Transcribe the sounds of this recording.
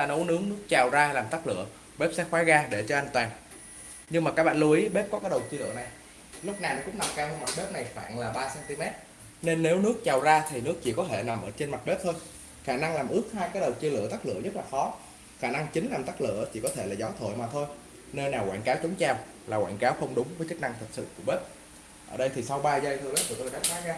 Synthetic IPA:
a˨˩no˨˦nɨ˨˦əŋnɨ˦˥ək̚t͡ɕaː˨˩wzaː˧laː˨˩mt̪a˦˥k̚lɨ̰˧˨ə | ɓe˦˥p̚sɛ˦˥xwaː˨˦ɣaː˧ɗe˧˩t͡ɕɔ˧ʔa˧ŋ̟t̪waː˨˩n | ɲɨ˧ŋmaː˨˩kaː˦˥ɓa̰ː˧˨˩lu˧əʔi˨˦ɓe˦˥p̚kɔ˨˦kaː˨˦jɗə˨˩wt͡ɕi˧lɨ̰˧˨əna˨˩j | lʊ˦˥k͡p̚naː˨˩wnɔ̰˨˦kʊ̰˧˥ŋ͡mna˨˩p̚kaː˧hə˧ma˨˩t̚ɓe˦˥p̚na˨˩jfa̰ː˧˨nlaː˨˩ɓaː˧sɛː˧nt̪i˧mɛ˦˥t̚ | ne˧nːe˨˦wnɨ˦˥ək̚t͡ɕaː˨˩wzaː˧t̪ʰi˨˩nɨ˦˥ək̚t͡ɕḭ˧˨kɔ˨˦t̪ʰe˧˩na˨˩mʔəː˧˩t͡ɕe˧nma˨˩t̚ɓe˦˥p̚t̪ʰo˧j | xaː˧˩na˧ŋlaː˨˩mʔɨ˦˥ək̚haː˧jkaː˨˦j̚ɗə˨˩wt͡ɕi˧əlɨ̰˧˨ət̪aː˦˥k̚lɨ̰˧˨əzə˦˥t̚laː˨˩xɔ˨˦ | xaː˧˩na˧ŋt͡ɕï˨˦ŋ̟laː˨˩mt̪aː˦˥k̚lɨ̰˧˨ət͡ɕʰḭ˧˩kɔ˨˦t̪ʰe˧˩laː˨˩zɔ˨˦t̪ʰə̰ː˧˨jmaː˨˩t̪ʰo˧j | ne˧nːaː˨˩wkwa̰ː˧˨kaː˨˦wt͡ɕʊ˨˦ŋ͡mt͡ɕaː˧˩w | laː˨˩kwa̰ː˧˨nkaː˨˦wxə˧wŋ͡mɗʊ˨˦ŋ͡mvəː˨˦jt͡ɕə˦˥k̚na˧ŋt̪ʰə˨˩t̚sɨ̰˧˨ku˧˩əɓe˦˥p̚ | ʔəː˧˩ɗə˧jt̪ʰi˨˩sa˧wɓaː˧zə˧jt̪ʰɨ˧lə˨˦jt̪ʰi˨˩t̪o˧jɗa̰ː˧˥ŋxaː˨˦zaː˧

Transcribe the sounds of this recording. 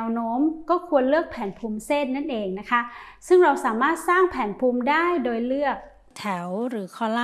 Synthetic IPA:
wnoː˦˥mkɔː˥˩kʰu˧ənlɯ˥˩ək̚pʰɛː˩˦npʰuː˧mseː˥˩t̪̚na˥˩nʔeː˧ŋna˦˥kʰa˦˥ʔsɯ˥˩ŋɾa˧wsaː˩˦maː˥˩t̪̚saː˥˩ŋpʰɛː˩˦npʰuː˧mdaː˥˩jdoː˧jlɯ˥˩ək̚ | t̪ʰɛ˩˦wɾɯː˩˦kʰɔː˥˩la˥

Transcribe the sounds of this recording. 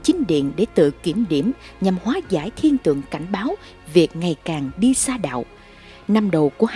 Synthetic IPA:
t͡ɕï˨˦ŋ̟ɗḭ˧˨ənɗe˧˩t̪ɨ̰˧˨ki˧˩əmɗi˧˩əmɲa˨˩mhwaː˨˦zaː˧˩jt̪ʰi˧ənt̪ɨ̰˧˨əŋka˧˩jŋ̟ɓaː˨˦w | vi˨˩ək̚ŋa˨˩jkaː˨˩ŋɗi˧saː˧ɗa̰ː˧˨w | na˧mɗə˨˩wku˧˩ə

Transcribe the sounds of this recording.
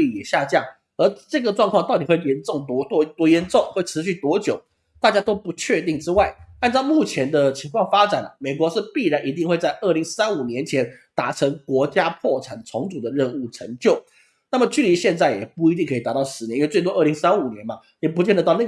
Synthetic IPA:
i˧˨˩jɛ˨˩ɕja˥˧t͡ɕjɑ˥˩ŋ | ə˞˧˥ʈ͡ʂɤ˥˩ɡə˩ʈ͡ʂwŋkʰwɑ˥˧ŋt̪ɑ˥˩ʊt̪i˨˩xwe˥˩ɪjɛ˧˥nʈ͡ʂʊ˥˩ŋt̪ɔ˧˥t̪t̪wɔ˧˥jɛ˧˥nʈ͡ʂʊ˥˩ŋxwe˥˩ɪʈ͡ʂʰɻ̩˧˥ɕy˥˩t̪wɔ˧˥t͡ɕjo˨˩ʊ | t̪a˥˧˩t͡ɕja˥t̪o˥ʊpu˧˥t͡ɕʰɥɛ˥˧t̪i˥˩ŋʈ͡ʂɻ̩˥wa˥˩ɪa˥˧nt͡sɑ˥˧ʊmu˥˩t͡ɕʰjɛ˧˥nd̪ə˧t͡ɕʰi˧˥ŋkʰwɑ˥˩ŋfa˥ʈ͡ʂa˨˩nlə̰˦me˨˩ɪkwɔ˧˥ʂɻ̩˥˧pi˥˩ɻa˧˥nʔi˧˥t̪i˥˧ŋxwe˥˧ɪt͡sa˥˧ɪʔə˥˩li˧˥ŋsa˥nu˨˩njɛ˧˥nt͡ɕʰjɛ˧˥nt̪a˨˩ʈ͡ʂʰɤ˧˥ŋkwɔ˧˥t͡ɕja˥pʰwɔ˥˩ʈ͡ʂʰa˨˩nʈ͡ʂʰʊ˧˥ŋt͡su˨˩d̪ə˦ɻə˥˧nu˥˩ʈ͡ʂʰɤ˧˥ŋt͡ɕjo˥˩ʊ | na˥˩mə˩t͡ɕy˥˩li˧˥ɕjɛ˥˧nt͡sa˥˩ɪjɛ˨˩pu˥˩i˧˥i˥˩ŋkʰi˨˩t̪a˨˩˦t̪ɑ˥˩ʊʂɻ̩˧˥i˧˥˦t͡swɪt̪wɔ˥ə˥˩li˧˥ŋsa˥nu˨˩njɛ˧˦nmɐ˨ | jɛ˨˩p̬u˧˥t͡ɕjɛ˥˩ndə˨˧t̪ɑ˥˧ʊna˥˩

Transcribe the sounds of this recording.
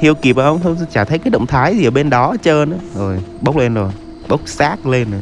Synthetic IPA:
t̪ʰi˧əwki˨˩p̚ːə˧wŋ͡mt̪ʰə˧t͡ɕaː˧˩t̪ʰə˨˦jkaː˨˦jɗə̰˧˨wŋ͡mt̪ʰaː˨˦jzi˨ʔəː˧˩ɓe˧nɗɔ˨˦t͡ɕəː˧na˨˦zo˨˩jɓə˦˥k͡p̚le˧nzo˨˩j | ɓə˦˥wk͡p̚saː˦˥k̚le˧nzo˨˩

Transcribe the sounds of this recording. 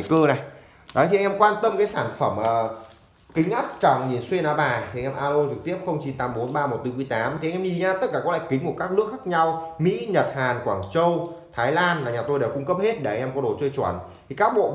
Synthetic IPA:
kəː˧na˨˩j | ɗɔ˨˦t̪i˨ʔŋʔɛ˧mkwaː˧nt̪ə˧mkaː˨˦jsaː˧˩nfə˧˩mʔəː˨˩ | kï˨˦ŋ̟ʔaː˦˥p̚t͡ɕa˨˩ŋɲi˨˩nswi˧ənaː˨˦ɓaː˨˩t̪ʰi˨˧ŋʔɛ˧mʔaː˧lo˧t͡ɕɨ˨˩k̚t̪i˦˥əp̚xə˧wŋ͡mt͡ɕi˨˦nt̪aː˨˦mɓo˨˦nɓaː˧mo˨˩t̚t̪ɨ˧ki˧əjt̪aː˨˦mt̪ʰi˨ʔŋʔɛ˧mzi˨˩ɲaː˧t̪ə˦˥t̚kaː˧˩kɔ˨˦la̰ː˧˨kï˨˦ŋ̟kəkaː˦˥k̚nɨ˦˥ək̚xaː˦˥k̚ɲa˧wmḭ˧˥ɲə˨˩t̚haː˨˩nkwaː˧˩ŋt͡ɕə˧wt̪ʰaː˨˦jlaː˧nlaː˨˩ɲaː˨˩t̪o˧jɗaː˧˩kʊ˧ŋ͡mkə˦˥p̚he˦˥t̚ɗe˧˩˨ŋʔɛ˧mkɔ˨˦ɗo˨˩t͡ɕəː˧jt͡ɕwə̰˧˩nt̪ʰi˨˩kaː˦˥k̚ɓo̰˧˨

